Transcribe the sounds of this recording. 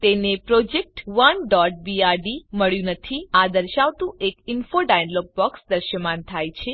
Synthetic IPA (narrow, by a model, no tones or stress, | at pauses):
t̪enepɾɔd͡ʒek̚ʈʋənɖɔʈ̚biaɾɖiməɭjũnət̪ʰiad̪əɾʃaʋt̪ũekɪnfoɖajnlɔɡ̚bɔksd̪əɾʃəmãnt̪ʰajt͡ʃʰe